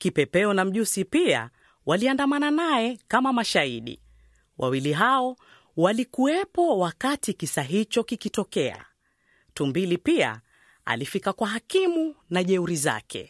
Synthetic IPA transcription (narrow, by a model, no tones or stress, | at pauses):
kipɛpɛɔnam̩ʄusipia̰ | waliandamananajɛkamamaʃaiɗḭ | wʔa̰wiliɦaɔ | walikuɛpɔwakatikisaɦit͡ʃɔkikitɔkɛa̰ | tumbilipia̰ | a̰lifikakwaɦakimunaʄɛuɾiza̰kʰɛ̰